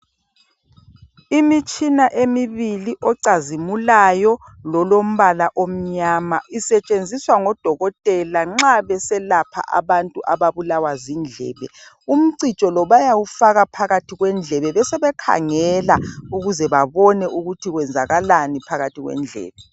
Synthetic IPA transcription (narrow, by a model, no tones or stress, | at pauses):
imit͡ʃʼinaʔemiβiliʔɔǀazimulajɔlɔlom̩βalaʔom̩ɲaːmaisɛt͡ʃʼend͡zʱiswaŋɔd̥ʱɔɣɔtʼɛlaŋ͡ǁaβɛsɛlapʰa̰ʔa̰βantʼuʔaβaβulawazind͡ɮʱɛ̰ːβɛ̰ | um̩ǀit͡ʃʼɔlɔβajawufaɣapʰaɣatʰiɣwɛnd͡ɮʱɛβɛβɛsɛβɛkʰa̰ŋɛlauɣuzɛβaβɔnɛʔuɣutʰiɣwɛnd͡zʱaɣalanipʰaɣatʰiɣwɛ̰nd͡ɮʱɛ̰ːβɛ